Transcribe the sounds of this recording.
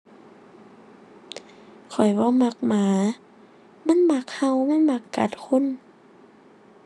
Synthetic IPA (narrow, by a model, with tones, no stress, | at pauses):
kʰɔ˨˩jbɔː˧˦ma˧˥˦k̚maː˨˦ | ma˧˥˨nma˧˥k̚ha˧˨wma˧˥˨nma˧˦kːa̰˧˦t̪̚kʰo˧˥˨n